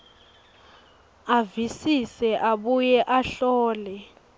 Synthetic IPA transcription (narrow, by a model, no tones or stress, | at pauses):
avisisɛʔaɓujɛʔaɬɔːlɛ